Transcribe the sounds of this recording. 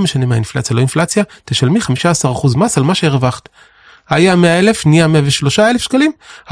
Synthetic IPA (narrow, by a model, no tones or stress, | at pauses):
meʃanemeainflat͡sjalo̞inflat͡sjateʃalmiχamiʃaːsaʁaχuzmasalmaʃeeʁvaχt̪ | hajameae̞le̞fniameaveʃlo̞ʃaele̞fʃkalima